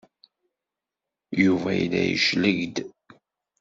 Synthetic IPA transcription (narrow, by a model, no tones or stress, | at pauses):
juvæjilæjə̰ʃləʝd̪